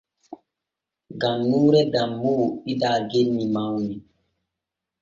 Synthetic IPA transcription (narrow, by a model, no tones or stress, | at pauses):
ɡanːuːɾɛɡamːoidaɡenːimawni